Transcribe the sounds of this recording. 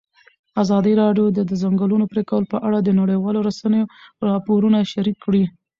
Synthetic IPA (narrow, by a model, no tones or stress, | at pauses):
azɑd̪əɾɑɖjod̪əd̪əzaŋɡəlunopɾekawəlopəʔaɽad̪ənaɽəjwɑloɾasanəjoɾɑpoɾunaʃaɾikːɽi